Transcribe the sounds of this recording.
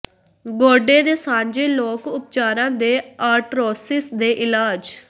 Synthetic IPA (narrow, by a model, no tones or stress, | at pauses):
ɡoːɖeːd̪eːsãːɲd͡ʒeːloːkʊp̚t͡ʃaːɾãːd̪eːaːɾʈɾoːsɪsd̪eːʔɪlaːd͡ʒ